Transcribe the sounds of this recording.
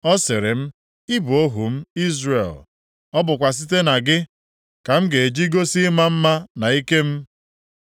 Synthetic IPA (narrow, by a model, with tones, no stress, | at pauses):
ɔ˦sɪ˨ɾɪ˨m̩˦ | i˦bu˨o˦ɦu˨m̩˦i˦zɾḛ˨l | ɔ˦bʊ˨kʷa˨s̬i˦t̬e˦na˨ɡɪ˦ | ka˨m̩˦ɡe˨e˨d͡ʒi˦ɡo˦si˦ma˦m̩˦ma˦na˨i˦ke˦m̩˦